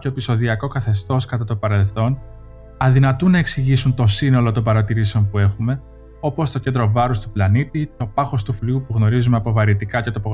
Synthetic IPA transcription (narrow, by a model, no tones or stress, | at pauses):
o̞episo̞ðiɐko̞kɐθe̞st̪o̞skɐt̪ɐt̪opɐɾe̞lθo̞n | ɐðinɐt̪unɐe̞ksiʝisunt̪o̞sino̞lo̞t̪o̞mbɐɾɐt̪iɾiseo̞mpue̞xume̞ | o̞po̞st̪o̞cend̪ɾo̞vɐɾust̪uplɐnit̪it̪o̞pɐxo̞st̪ufliupuɣno̞ɾizumeɐpo̞vɐɾit̪ikɐce̞t̪opo